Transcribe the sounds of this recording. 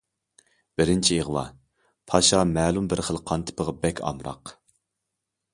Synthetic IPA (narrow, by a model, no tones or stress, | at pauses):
b̥ɪɾɪnt͡ʃʰieʁwɑ̰ | pʰɑʃɑmɛːlˠumbɪɾχəlˠqʰɑnt̪ʰɨ̥pʰəʁəbɛkʲʰɑ̰mɾɑ̰q